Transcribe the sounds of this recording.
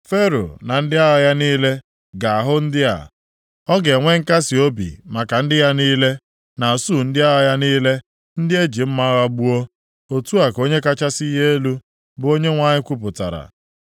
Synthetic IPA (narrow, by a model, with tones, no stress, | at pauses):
fe˦ɾo̰˨na˨n̩˦dɪ˦a˦ɦa˨ja˦niː˦le˦ | ɡa˨a˨ɦʊ˦n̩˦dɪ˦a̰˨ | ɔ˦ɡe˨ŋʷe˦ŋ̩˦ka˦sɪ˨o˦bḭ˨ma˨ka˨n̩˦dɪ˦ja˦niː˦le˦ | na˨su˦˨n̩˦dɪ˦a˦ɦa˨ja˦niː˦le˦ | n̩˦dɪ˦e˦d͡ʒi˨m̩˦ma˦ɣa˦ɡ͡bu˦o˦ | o˨tu˦a˨ko˦ɲe˦ka˦t͡ʃa˦si˦ɦe˦e˦lu˦ | bʊ˨o˦ɲe˦ŋʷa˦ɲɪ˦kʷu˦p̬ʊ˨ta̰˨ɾa̰˨